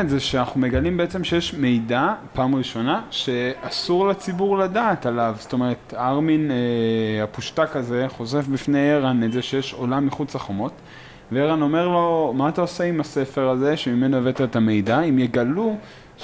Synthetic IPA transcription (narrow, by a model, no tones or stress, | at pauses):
ezeʃeanaχnume̞ɡalimbeet͡semʃe̞jeʃme̞jdapaːmʁiʃo̞naʃe̞asuʁlet͡sibuʁladaːtalavst̪o̞me̞ʁetaʁmin | hapuʃtakaze̞χo̞ze̞fbifnejeʁanezeʃe̞jeʃo̞lamːiχut͡saχomo̞t | veeʁano̞me̞ʁlo̞maːt̪aose̞imase̞fe̞ʁaze̞ʃemime̞noevet̪aetame̞jdaimjeɡalu